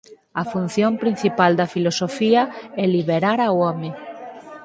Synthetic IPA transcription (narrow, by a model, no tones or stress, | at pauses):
ɐfun̟θjompɾin̟θipald̪ɐfilosofiɐɛliβeɾaɾawɔme